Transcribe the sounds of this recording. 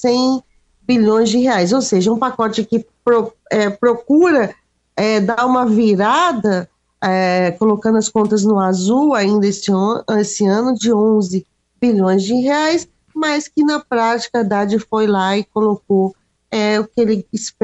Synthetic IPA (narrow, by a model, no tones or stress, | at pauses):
sẽj̃ | biʎõj̃zd͡ʒɪɦeajz̬owseʒɐũpakɔt͡ʃɪkɪpɾo | ɛpɾokuɾɐ | ɛd̪aũmɐviɾad̪ɐ | ɛkolokɐ̃d̪ʊɐskõnt̪ɐznʊazuwaĩnd̪ɐesɪoesɪɐ̃nʊd͡ʒɪõzɪ | biʎõj̃zd͡ʒɪɦeajs | majskɪnɐpɾat͡ʃi̥kɐd̪ad͡ʒɪfojlaɪkolok̚o | ɛʊkɪelɪisp